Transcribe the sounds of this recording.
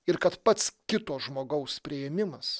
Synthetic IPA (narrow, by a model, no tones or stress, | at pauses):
ɪɾkɐt̪pɐt̪skʲɪt̪oːsʒmoːɡɐʊspʲɾʲɪjɛmʲɪmɐs